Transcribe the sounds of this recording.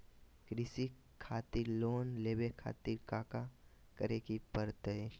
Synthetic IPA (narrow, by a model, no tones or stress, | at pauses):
kɾɪsi | kʰaːt̪iɾloːnleːbekʰa̰ːt̪iɾkaːka | kəɾekipəɾt̪ɦe